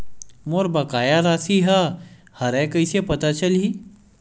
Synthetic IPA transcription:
moːɾbɐkaːjaɾaːsiɦa | hɐɾɛ̃kəisepɐt̪at͡ʃɐlɦi

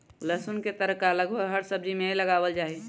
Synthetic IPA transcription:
ləsʊnket̪əɾəkaləɡbəɡɦəɾsəb̚d͡ʒimẽləɡaːwəld͡ʒaːi

